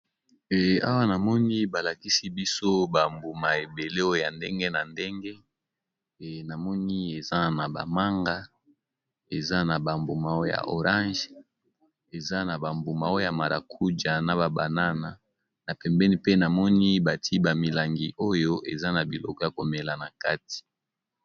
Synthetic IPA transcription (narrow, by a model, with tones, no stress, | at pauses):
ɛ˨a̰˦wa˦na˨mɔ˦ni˦ba˨la˨ki˦si˦bi˦so˦ba˨mbu˨ma˨e˨be˨le˦o˦jo˦ja˨nde˦ŋɡe˦na˨nde˦ŋɡe˦˨ | na˨mɔ˦ni˦e˨za˦na˨ba̰˨ma˦ŋɡa˦ | e˨za˦na˨ba˨mbu˨ma˨o˦jo˦ja̰˨ʔo̰˨ʁã˦ʒ | e˨za˦na˨ba˨mbu˨ma˨o˦o˦ja˨ma˨ɾa̰˨kʰu˦d͡ʒa˨na˨ba˨ba̰˨na˦na˨ | na˨pɛ˨mbɛ˦ni˦pe˦na˨mɔ˦ni˦ba˨tʰi˦ba˨mi˨la˨ŋɡi˨ʔo˦jo˦ʔe˨za˦na˨bi˨lɔ̰˦kɔ˦ja˨ko˨me˨la˨na˨ka˦ti̥˨